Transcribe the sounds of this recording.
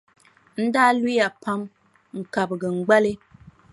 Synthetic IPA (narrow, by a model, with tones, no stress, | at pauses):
n̩˦daː˦li˦ja˨pa˦m | ŋ̩˨ka˨bɡə˨ŋ̩˨ɡ͡ba˦lɨ˦